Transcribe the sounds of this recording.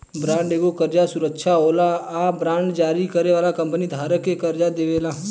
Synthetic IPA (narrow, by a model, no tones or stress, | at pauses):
bɾãːɳɖeːɡokəɾd͡ʒasʊɾəkʃʰaɦoːlaabɾãːɳɖd͡ʒaːɾikəɾeʋaːlakə̃mpənid̪ʱaːɾəkːekəɾd͡ʒad̪eːʋeːlaː